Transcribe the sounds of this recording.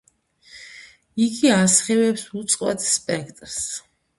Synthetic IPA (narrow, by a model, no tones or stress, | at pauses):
iɡiasχɛvɛpsut̪sʼqʼwɛ̰t̪ʰspʼɛkʰt̪ʼɾs